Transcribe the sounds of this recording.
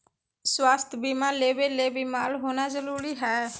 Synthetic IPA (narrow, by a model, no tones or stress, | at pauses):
swaːst̪ʰbiːmaːleːʋeːleːbiːmaːlɦoːnaːzəɾuːɾiːɦɛː